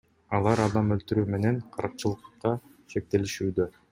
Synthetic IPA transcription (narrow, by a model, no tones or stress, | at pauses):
ɑlˠɑɾɑd̪ɑmø̞lt̪yɾyːme̞ne̞ŋɴqʰɑɾɯq̚t͡ʃɯlˠɯqqːɑ | ʃe̞k̚t̪e̞liʃyːd̪ø